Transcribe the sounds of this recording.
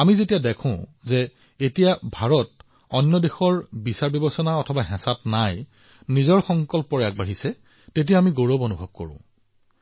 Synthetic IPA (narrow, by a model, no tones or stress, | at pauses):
amizetijadɛkʰʊ̃zɛ | etijabʱaɹɔt̚ | ɔnjɔdexɔɹbisaɹbjɔbɔsɔnaɔtʰɔbaɦɛ̃satnaj | nizɔɹxɔŋkɔlpɔɹak̚baɦisɛ | tet̬ijaamiɡoɹobonubʱɔb̚ko̰ɹʊ̰̃